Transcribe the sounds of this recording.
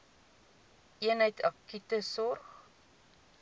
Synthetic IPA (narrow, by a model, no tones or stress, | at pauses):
ʔiənɦəjtʰɐkytəsɔrχ